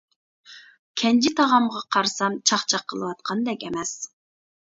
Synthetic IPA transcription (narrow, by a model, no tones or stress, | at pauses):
kʲʰɛnd͡ʒit̪ʰɑʁɑmʁɑqʰɑɾsɑmt͡ʃʰɑχt͡ʃʰɑqʰːəlˠɨwɑt̪̚qʰɑnd̪ɛkʲɛmɛs